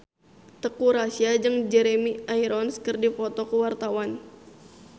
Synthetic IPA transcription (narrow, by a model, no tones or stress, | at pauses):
t̪əkuɾasiad͡ʒəŋd͡ʒɛɾemiaiɾɔnskərdipɔt̪ɔkəwart̪awan